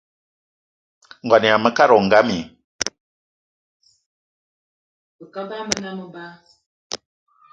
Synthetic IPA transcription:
ŋɡwa˨ni˨a˨mə˦ka˦ɾɔ˨ŋ˨ɡa˦mi˨ | bə˨ka˦ba˦mə˦na˦mə˨ba˦

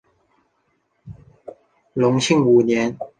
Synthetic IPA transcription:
lʊ˧˥ŋɕi˥˩ŋu˨˩njɛ˨˦n

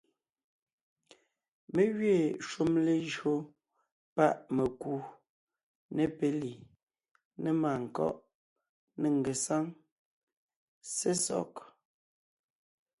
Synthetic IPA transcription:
me˦ɣɥe˦˨ʃu˦mle˦ʒɰo˦ | pa˦˨ʔme˨ku˦ | ne˦˨pe˨li˨ | ne˦maː˨ŋ̩˨kɔ̰˦ʔ | ne˨ŋ˨ɡe˨sa˦ŋ | se˦sɔ̰˦˨k

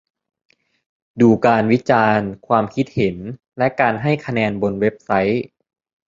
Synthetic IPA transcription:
duː˧kaː˧nwi˦˥t͡ɕaː˧nkʰwaː˧mkʰi˦˥t̪̚he˩˦n | lɛ˦˥ʔkaː˧nɦa˥˩jkʰa˧nɛː˧nbo˧nwe˦˥p̚sa˦˥j

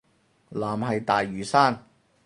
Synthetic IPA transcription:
laː˨˩mɦɐ˨jt̪aː˨jːyː˨˩saː˥n

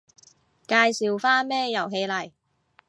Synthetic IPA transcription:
kaː˧jsi˨wfaː˥nmɛː˥jɐ˨˩wɦe˧jlɐ˨˩j

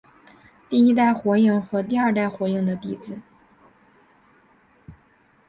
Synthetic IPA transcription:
t̪i˥˩i˥t̪̬a˥˩ɪxwɔ˧˥i˥˩ŋxɤ˧˥t̪i˥˧ɐ˞˥˧t̪a˥˩ɪxwɔ˧˥i˥˩ŋd̪ə˩t̪i˥˩t͡sɹ̩˥˩˦

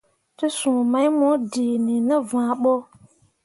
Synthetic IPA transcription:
ti˦sũ˨mã˨˦jmõ˨˦di˨nĩ˨nɨ̃˦vã˨ɓo˦

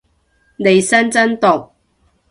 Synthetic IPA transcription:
ne˨˧jsɐ˥nt͡sɐ˥nt̪ʊ˨k̚

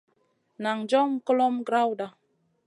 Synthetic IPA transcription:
na˨ŋd͡ʒɔ˦ŋ̩˦ko˦lɔ˦mɡɾa˦wda˨

